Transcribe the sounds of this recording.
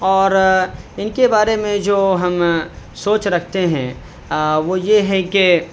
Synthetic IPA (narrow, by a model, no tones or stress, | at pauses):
ɔːɾɪnkebaːɾemẽd͡ʒoːɦɐmsoːt͡ʃɾɐkʰt̪eɦɛ̰̃ | ʋojeɦɛke